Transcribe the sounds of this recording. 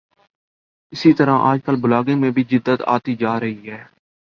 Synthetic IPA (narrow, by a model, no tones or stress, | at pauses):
ɪsiːt̪əɾãːʔaːd͡ʒkəlbʊlaːɡẽːmẽːbʱiːd͡ʒɪd̪ːət̪a̰ːt̪iːd͡ʒaːɾəɦiːɦɛː